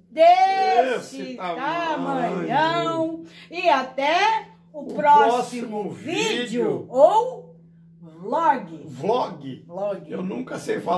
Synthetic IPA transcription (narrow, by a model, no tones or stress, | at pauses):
d̪esɪaamɐ̃ɲɐ̃w̃ɪat̪ɛ | ʊpɾɔɔssimʊvid͡ʒjʊow | vlɔɡɪvlɔɡɪlɔɡɪewnũkɐsejfa